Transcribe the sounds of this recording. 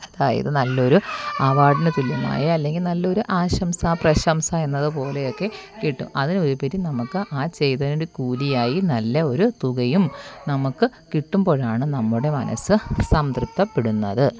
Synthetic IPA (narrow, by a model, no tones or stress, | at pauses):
ɐðaːjɐ̰ðɨnɐlːɐo̞ɾuaːʋaːɖɐnɐt̪ːilːumːa̰ːjɐɐlːe̞ŋɡilnɐlːɐo̞ɾuʔaːɕɐmsaprɐɕɐmsɐe̞nːɐðɨpo̞ːle̞jo̞kːe̞kiʈːṵmɐðino̞ɾupeɾinɐmukːɨʔaːt͡ɕe̞jt̪ɐnindekuːlijaːjinɐlːɐo̞ɾut̪uɣɐjumnɐmukːɨkiʈːumbo̞ːɻaːɳɨnɐmːuɽe̞mɐ̰nɐ̰sɨsɐmd̪ript̪ːɐpːeɽunːɐ̰ðɨ